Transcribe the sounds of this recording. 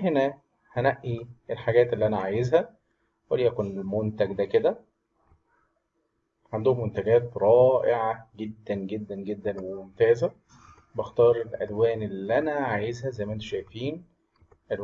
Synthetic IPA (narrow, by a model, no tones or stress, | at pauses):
henæ | hænæʔːielħaɡæːt̪elːiʔænæʕaːjezhæ | wælijækonelmont̪æɡd̪æked̪æ | ʕand̪ohomːont̪æɡæːt̪ɾˤɑːʔeʕaɡed̪ːænɡed̪ːænɡed̪ːænwemomt̪æːzæ | bext̪ɑːɾˤelʔælwæːnelʔænæʕaːjezhæzæjmæʔent̪ʃæjfiːn | ʔæl